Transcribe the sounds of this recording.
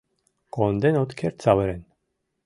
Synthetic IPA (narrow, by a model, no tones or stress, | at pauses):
kɔnd̪ɛnɔt̪kʰɛɾt̪t͡savɛɾɛn